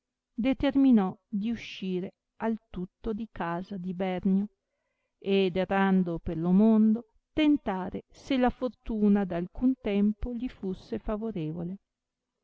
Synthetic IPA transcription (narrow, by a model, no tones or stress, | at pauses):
d̪et̪erminɔd̪iuʃːiːɾe | alt̪ut̪ːod̪ikaːzad̪ibɛrno | ed̪erand̪operlomond̪o | t̪ent̪aːɾeselafort̪uːnad̪alkunt̪ɛmpoʎifusːefavoɾeːvole